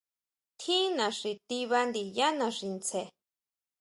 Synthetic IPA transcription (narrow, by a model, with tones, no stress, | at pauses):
t̪ʰi˦nã˨ʂi˨t̪i˧βa˧nd̪i˨ja˦nã˨ʂi˨nt͡sʰe˨